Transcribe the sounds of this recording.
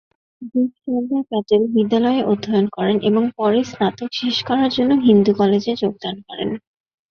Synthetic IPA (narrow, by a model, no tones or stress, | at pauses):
biʃɔd̪akɛtelbid̪ːalɔeeʔod̪ʱːajonkɔɾenʔeboŋpɔɾisnat̪okʃeʃkɔɾaɾd͡ʑonːoɦind̪ukɔled͡ʑed͡ʑoɡ̚d̪ankɔɾḛn